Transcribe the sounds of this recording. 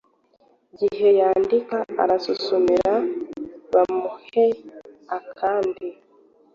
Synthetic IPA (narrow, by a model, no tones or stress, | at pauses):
ɟihe̞jaːndikaa̰ɾasusumiɾa | βamuheakʰaːndi